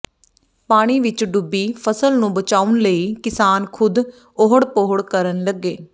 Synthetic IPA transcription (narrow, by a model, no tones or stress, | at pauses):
paːɽ̃iːʋɪt͡ʃɖʊbːiːpʰəsəlnũːbət͡ʃaːʊnləiːkɪsaːnkʰʊd̪ | oɦəɽpoːəɽkəɾənləɡːeː